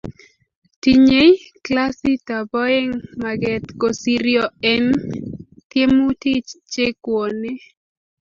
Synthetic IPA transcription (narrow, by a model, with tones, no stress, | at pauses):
ti˨ɲe˦jkla˦si˦ta˨bɔ˦e˦ŋma˨ɡɛ˨t̪ko˨si˨ɾjɔ˨ɛ˦n | t̪je˦mu˦ti˦t͡ʃt͡ʃe˦kwɔ˨ne˦